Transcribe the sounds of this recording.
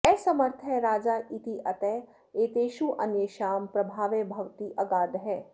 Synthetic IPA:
ɛːsɐməɾt̪ʰɛɾaːd͡ʒaːʔit̪iʔɐt̪ɛː | eːt̪eːʃuʔɐnjəʃaːmpɾɐbʱaːʋebʱɐʋt̪iʔɐɡaːd̪ɦɛː

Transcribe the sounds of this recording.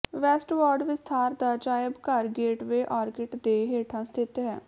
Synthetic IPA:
ʋɛːsʈʋɔːɖʋɪst̪ʰaːɾd̪aːd͡ʒaːɪbkəɾɡeːʈʋeːʔaːɾkɪʈd̪eːɦeːʈʰãːst̪ʰɪt̪ɦɛː

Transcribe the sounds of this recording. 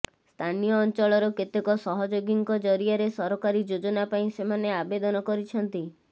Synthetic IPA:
st̪ʰanijɔːnt͡ʃɔɭɔɾɔket̪ekɔsɔɦɔd͡ʒoɡiŋkɔd͡ʒɔɾiaɾesɔɾɔkaɾid͡ʒod͡ʒɔnapaĩsemaneabed̪ɔnɔkɔɾit͡ʃʰɔnt̪i

